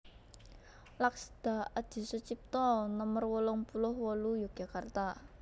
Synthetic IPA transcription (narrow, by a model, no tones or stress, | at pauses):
laksd̪̥a̤ad̪̥i̤sut͡ʃip̚t̪ɔnəmərwɔlɔŋpulʊhwɔlujḁɡ̥a̤kart̪a